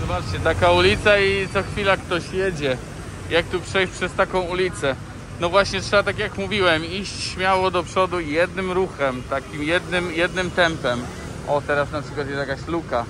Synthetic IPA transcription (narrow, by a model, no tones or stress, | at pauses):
zɔbat͡ʂt͡ɕɛt̪akaulʲit̪sait̪sɔxfʲilakt̪ɔɕjed͡ʑɛ | jak̚t̪upʂɛjʂpʂɛst̪akɔ̃w̃ulʲit̪sɛ | nɔvwaɕɲɛtʂɛbat̪akjakmuvʲiwɛmiɕt͡ɕɕmʲjawɔd̪ɔpʂɔd̪ujɛd̪nɘmɾuxɛmt̪akʲimjɛd̪nɘmjɛd̪nɘmt̪ɛmpɛm | ɔt̪ɛɾasnapʂɘkwat̪jɛsjakaɕluka